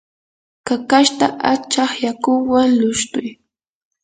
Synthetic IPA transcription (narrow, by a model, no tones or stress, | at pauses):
kakaʃt̪aʔat͡ʃɑχjakʊwaŋlʊʃt̪ʊj